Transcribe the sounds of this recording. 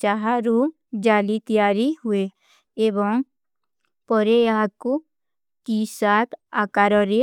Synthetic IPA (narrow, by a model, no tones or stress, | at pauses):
t͡ʃaɦaɾuːm | d͡ʒaːlit̪ijaːɾiɦue | eːbɔŋ | pɔɾeaːku | t̪iːsaːt̪aːkaːɾɔɾe